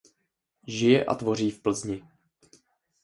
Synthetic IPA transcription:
ʒɪjɛʔa̰t̪vo̞r̝iːfpl̩zɲɪ

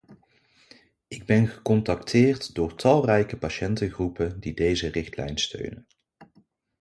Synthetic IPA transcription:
ɪɡ̚bɛnχəkɔntɑktʰɪːrtdʊːɹtɑlˠrɛjkəpaʃɛntəχrupəndidejzərɪχtlɛ̰jnstø̰ɥnən

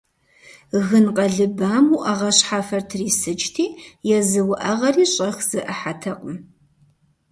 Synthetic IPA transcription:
ɣɨnqʼɐɮɨbaːmuʔɐʁɐɕħafɐrtʰriːsɨt͡ʃʼtʰiːjɛzɨwʊʔɐʁɐriːɕʼɐxz̥ɨʔɐħatʰɐqʼəm

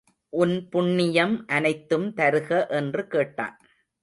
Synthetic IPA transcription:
ʔʊnpʊɳːɪjɐmʔɐnɐɪt̪ːɯmt̪ɐɾɯɣɐʔɛndrɯkeːʈːa̰ːn

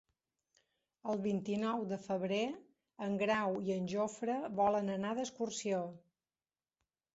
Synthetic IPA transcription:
əlˠβint̪inɔwd̪əfəβɾe | əŋɡɾawiənʲʒofɾəβɔlənənaðəskursio

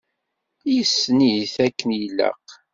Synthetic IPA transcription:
jəsːniθækːənjilːə̰q

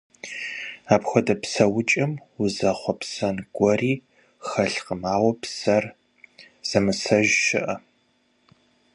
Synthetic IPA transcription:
aːpxʷɔdɐpsɐwʊt͡ʃʼɐmʊzɐχʷɔpsɐnɡʷɔriː | xɐɬqəmaːwɔpsɐr | z̥ɐmɨsɐʒʃɪʔɐ

